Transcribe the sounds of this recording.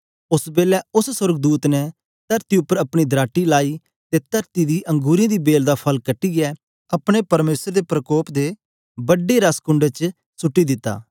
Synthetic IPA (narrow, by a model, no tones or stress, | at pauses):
ʊsbeːlɛʊssʊɾɡd̪uːt̪nɛ | t̪ɐɾt̪iʊpːəɾɐpɽ̃id̪ɾaːʈːilaːi | t̪et̪ɐɾt̪id̪iʔɐ̃ŋɡuːɾĩd̪ibeːld̪apʰɐlkɐʈːiɡɛ | ɐpɽ̃epɐɾmeːsəɾd̪epɾɐkoːpd̪e | bɐɖeɾaskʊɳɖet͡ʃ | sʊʈːid̪ɪt̪ːa̰ː